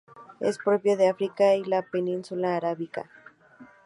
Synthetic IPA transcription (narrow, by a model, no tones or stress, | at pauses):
ḛspɾo̞pjo̞ðeafɾikailapenĩnsulaːɾaβika̰